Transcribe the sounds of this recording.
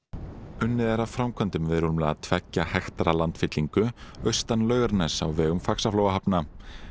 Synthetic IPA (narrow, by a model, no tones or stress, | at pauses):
ʏnːɪðɛɾawfɾawmkʰvœnt̪ʏmvɪðɾumlɛat̪ʰvɛcːahɛxt̪aɾalant̪fɪt̪liŋkʏœɥst̪anlœːɥɣaɾnɛsa̰wvɛːɣʏmfaksaflowaɦapna